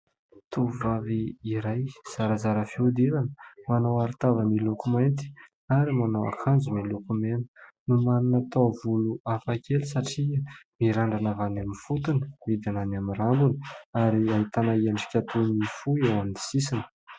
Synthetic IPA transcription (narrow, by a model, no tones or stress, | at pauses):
t̪uvaviːɾajz̥aɾəzaɾəfiud̪ilanə̥manawaɾit̪avəmilukumajnt̪̬i̥ | aɾimanawa̰kʰand͡zumilukumenə̥numaninat̪ovuluafakʲelisaʈ͡ʂimiɾaɳɖ͡ʐanavanamifut̪unəid̪ananamiɾambunə̥aɾiaɦit̪anaianfi̥kʲat̪unifuiewamd̪i̥sisinə̥